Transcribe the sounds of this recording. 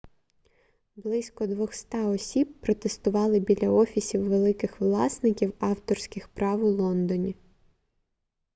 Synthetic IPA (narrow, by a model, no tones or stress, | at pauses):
blˠɪsʲkɔd̪ʋɔxst̪ɑɔsʲibːɾɔt̪est̪ʊʋɑlˠɪbʲilʲɐɔfʲisʲiwːelˠɪkɪxʋlˠɑsnɪkʲiwɑwt̪ɔrsʲkʲɪxpɾɑʋʊlˠɔnd̪ɔnʲi